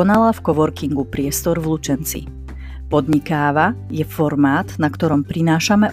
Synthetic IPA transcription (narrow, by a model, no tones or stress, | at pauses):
ɔnalafkɔʋɔɾkiŋɡupɾɪɛst̪ɔɾvlut͡ʃɛnt͡sḭ | pɔd̪ɲikaːʋajɛfɔɾmaːt̪nakt̪ɔɾɔmpɾinaːʃamɛ